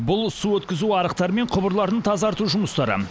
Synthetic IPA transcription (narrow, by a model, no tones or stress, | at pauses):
bʊlˠsuwɵt̪kʲɪzuɑɾəqt̪ɑɾəme̞ɴqʰʊbəɾlˠɑɾəɴt̪ʰɑzɑɾt̪uʒʊməst̪ɑɾə̰